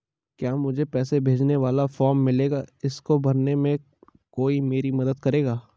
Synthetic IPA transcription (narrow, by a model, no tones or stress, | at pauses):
kjaːmʊd͡ʒʱepɛːsebʱeːd͡ʒneʋaːlafɔːɾmːɪleːɡaɪskobɐɾnemẽ | koːimeːɾimɐd̪əd̪̚kɐɾeːɡaː